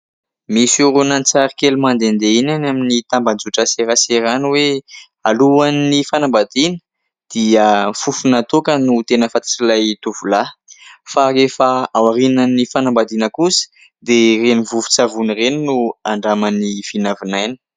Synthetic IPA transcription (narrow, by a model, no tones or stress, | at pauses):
misuɾunant͡saɾikelumand̪end̪einanaminit̪amband͡zuʈ͡ʂəseɾaseɾanwe | aluanːifanambad̪inə̥ | d̪̥iəfufunat̪okənut̪enəfat̪ḁʈ͡ʂilajt̪uvulafaefaawaɾinanifanambad̪inəkusə̥ | d̪erenivuvu̥t͡savunireninuaɳɖ͡ʐamanifinavinajnə̥